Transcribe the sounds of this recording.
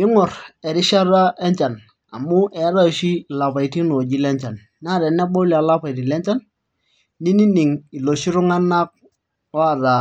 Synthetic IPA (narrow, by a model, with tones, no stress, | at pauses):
i˦ŋɔ˨rɛ˨ɾɪ˦ʃa˦ɾa˦ʔɛ˦ɲt͡ʃa˨n | a̰˨mʊ˦ʔɛ˨˦ɾa˦˨ʃi˦˨la˨pa˨i˨ti˦no˨d͡ʒi˦lɛ˦ɲt͡ʃa˨n | n˦a˦˨ɾɛ˨nɛ˦bɔ˦li˦˨a˨la˦pa˨i˨ti˨lɛ˦ɲt͡ʃa˦n | ni˦ni˦ni˨ŋi˨lo˨ʃi˦ɾu˦ŋa˦na˦k̚ | ɔ˦a˨ɾa˨